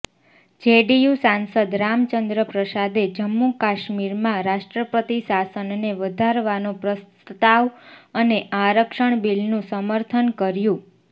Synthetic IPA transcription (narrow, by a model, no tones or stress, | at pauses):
d͡ʒeɖijusansəd̪ɾamt͡ʃənd̪ɾəpɾəsad̪ed͡ʒəmːukaʃmiɾmãɾaʃʈɾəpət̪isasənneʋəd̪ʱaɾʋanopɾəst̪ət̪aʋəneʔaɾəkʃəɳbilnũsəməɾt̪ʰənkəɾjũ